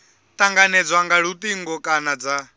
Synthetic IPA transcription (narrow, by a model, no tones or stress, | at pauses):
t̪ʼaŋɡanɛd͡zwaŋɡaɺut̪ʼiŋɡɔkʼanad͡za